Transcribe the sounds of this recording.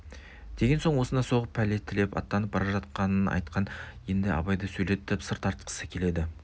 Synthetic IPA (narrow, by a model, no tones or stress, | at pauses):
d̪̥e̞ɡʲe̞nsoɴwo̞sənɑso̞ʁəpʰːælet̪ʰːɪlepɑ̰t̪ːɑnəp̚bɑɾɑʒɑt̪̚qɑnənɑ̰jt̪qʰɑnje̞nd̪ɪɑ̰bɑjd̪əsɵjle̞t̪ːɪpsəɾt̪ɑɾt̪̚qʰə̥səkʲʰe̞le̞d̪ɪ